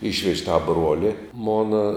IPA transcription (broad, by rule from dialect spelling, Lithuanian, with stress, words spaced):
ˈiːʃʲʋʲɛʃʲ tɐ ˈbruɔlʲɪ ˈmoːnɐ